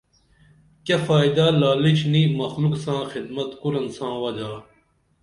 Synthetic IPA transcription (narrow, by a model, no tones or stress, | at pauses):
kɐfaːjd̪aːlaːlit͡ɕnimɐxluksãːxid̪mɐt̪kuɾɐnsãːwɐd͡ʑaː